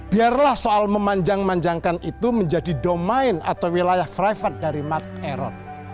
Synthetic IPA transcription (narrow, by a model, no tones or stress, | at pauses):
b̥iarlahsoʔalməmaɲd͡ʒaŋmaɲd͡ʒaŋkanʔit̪uməɲd͡ʒadidɔmaɪna̰t̪awwilajahfɾajfat̪̚daɾimart̪̚eɾɔ̰t̪̚